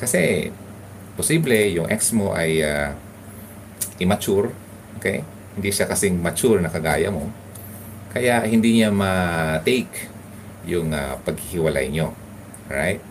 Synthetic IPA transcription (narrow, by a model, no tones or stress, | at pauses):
kɐsɛ | pʊsiblɛjʊŋʔɛksmoʔaja | ʔɪmɐt͡ʃʊɹ | ʔokɛ̰j | hɪnd̪iʃakɐsɪŋmɐt͡ʃʊɹnɐkɐɡaːjɐmo | kɐjaʔhɪnd̪iɲamɐt̪ɛjk | jʊŋa̰pɐɡ̚hɪhɪwɐla̰jɲo | ɹa̰jt̪̚